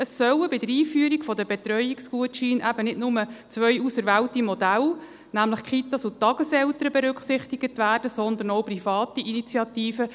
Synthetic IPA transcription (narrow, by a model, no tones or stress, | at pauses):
əsːœwəbɪd̪əɾiːfyːəɾiɡfɔd̪əbet̪rœjikskuətʃiːnʔæbənɪdnʊmət͡sʋœjusəɾʋæltimɔd̪æl | næmləχkʰit̪ɑsut̪ːɑɡ̥əsɛlt̪əɾəbeɾʏkχsɪχt̪iɡ̥ətʋæːrd̥əsɔnd̪ənɔwprifɑːt̪iʔinit͡sjɑt̪iːfə